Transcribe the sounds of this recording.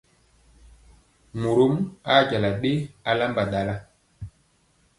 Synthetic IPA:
mu˨ɾo˦ma˦˨d͡ʒa˨la˨ɓe˦a˨la˦mba˨ɗa˨la˦

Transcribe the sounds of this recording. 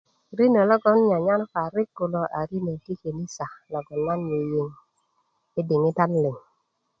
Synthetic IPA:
ɾi˦nə˨lɔ˦ɡɔ˦nɲa˨ɲa˦n˦fa˨ɾɪ˦kːu˨lɔ˨ʔa˨ɾi˦nə˨ti˦ke˨ni˦sa˨lɔ˨ɡɔ˨nːa˦nje˨je˨ŋ | ɪ˦dɪ˨ŋi˦ta˦nlɪ˨ŋ

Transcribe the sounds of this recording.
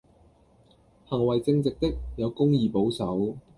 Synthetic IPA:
hɐ˨˩ŋwɐ˨˩jt͡sɪ˧ŋt͡sɪ˨k̚t̪ɪ˥k̚jɐ˨˧wkʊ˥ŋjiː˨˧po˨˥wsɐ˨˥w

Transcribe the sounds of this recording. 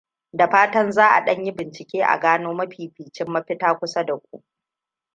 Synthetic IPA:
da˨ɸaː˦tɐ˦nzaː˦ʔa̰˨ɗɐ˦ɲji˦bɪ˨nt͡ʃɪ˨kʲeː˦ʔa̰˨ɡaː˦noː˦mɐ˦ɸiː˨ɸiː˨t͡ʃɪ˦mːɐ˦ɸɪ˦taː˦kʷʊ˦sa˦da˨kʷṵ˦ʔ

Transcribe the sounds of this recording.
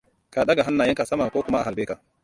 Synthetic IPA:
ka˨ɗɐ˦ɡa˨ɦa˦nːaː˨jɪ˦ŋka˨sɐ˦maː˨kʷoː˦kʷʊ˦ma˦ʔa˨a˨lbeː˦ka˨ʔ

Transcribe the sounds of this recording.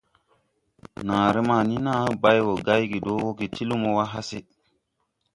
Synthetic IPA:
naː˨ɾe˦ma˨ni˦na˦ba˦jwo˨ɡa˦jɡi˨do˦o˦ki˨ti˦lu˦mo˦wa˦ɦa˦se˦

